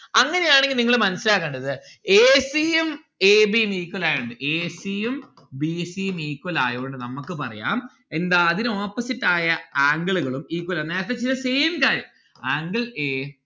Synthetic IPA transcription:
ɐŋːɐne̞jaːɳeŋɡilniŋːɐɭmɐnɐsilaːkːeːɳɖɐðɨ | eːsijem | eːbijmiːkːwɐlaːjuɳɖɨʔeːsijum | bisijemiːkːwɐlaːjooɳɖɨnɐmːukːɨpɐrɐ̰ja̰ːm | e̞nd̪aːðinoːpːɐsitːaːjɐaːŋɡɐɭuɣɐɭumiːkːwɐlɐnːeːt̪ːet͡ɕːiɐseːmkaːɾjɐm | aːŋɡɐɭeː

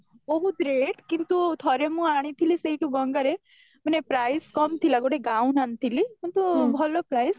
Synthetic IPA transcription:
bɔɦut̪ɾeʈkint̪ut̪ʰɔɾemũaɽ̃ĩt̪ʰiliseiʈubəŋɡəɾe | mənepɾajskɔmt̪ʰilaɡoʈeɡãũnant̪ʰilikiɳt̪ubʱɐlopɾaːjs

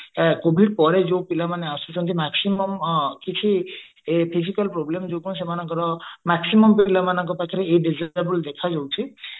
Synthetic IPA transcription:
kobʱiɖpɔɾed͡ʒowpilamaneasut͡ʃʰɔnt̪ʰimaksimɔmkit͡ʃʰi | epʰisikalpɾoblemd͡ʒokuns̬emanɔ̃ŋkɔɾɔmaksimɔmpilamanɔŋk̬ɔpakʰiɾeeɖid͡ʒajɾbuld̪ekʰad͡ʒawt͡ʃʰi

